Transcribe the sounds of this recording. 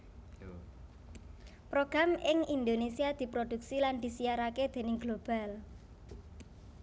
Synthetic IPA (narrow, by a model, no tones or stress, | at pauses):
pɾoɡ̥ɾamʔɪŋind̪onesiad̪̥i̤pɾod̪̥uk̚siland̪̥i̤sijaɾaked̪̥e̤nɪŋɡlob̥a̤l